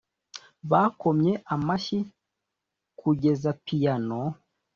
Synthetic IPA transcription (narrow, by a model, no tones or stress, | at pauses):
βako̞mɲe̞ʔamaʃi | kuɟe̞zapijano